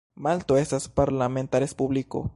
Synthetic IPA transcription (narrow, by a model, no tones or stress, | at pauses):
malt̪oesaspaɾlamẽnt̪aɾespuβliko̰